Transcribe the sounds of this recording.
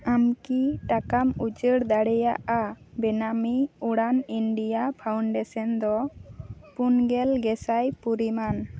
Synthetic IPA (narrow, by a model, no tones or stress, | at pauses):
amkiʈakamut͡ʃəɽd̪aɽɛja̰ʔabɛnamiuɽaninɖijapʰawɳɖɛsɔnd̪ɔ | punɡɛlɡɛsajpuɾiman